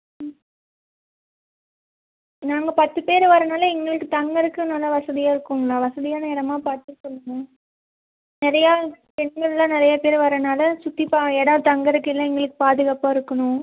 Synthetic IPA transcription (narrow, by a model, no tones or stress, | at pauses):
naːŋɡɐpɐt̪ːɯpeːɾʋɐɾɐnaːlɐɛŋɡɐɭɯkːɯt̪ɐŋɡɐɾɯkːɯnɐlːɐʋɐsɐðɪjaːɪɾɯkːɯŋɡɐɭaːʋɐsɐðɪjaːnɐɛɽɐmaːpaːɾt̪ːɯsɔlːɯŋɡɐ | nɪɾɐjaː | pɛɳɡɐɭɪlãːnɪɾɐjapeːɾʋɐɾɐnaːlɐsʊt̪ːipaːɛɽɐ̃ːt̪ɐŋɡɐɾɯkːɯɪlːɐɛŋɡɐɭɯkːɯ̥paːðɯɣaːpːaːɪɾɯkːɐnʊ̃